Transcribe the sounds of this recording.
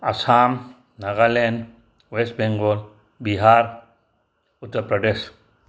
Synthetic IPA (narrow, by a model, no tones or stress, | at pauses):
ɐsaːm | nɐɣalen | wesʈ̚beŋɡoːl | biɦaːɾ | ʊt̪ːəɾpɾɐɖeːʃ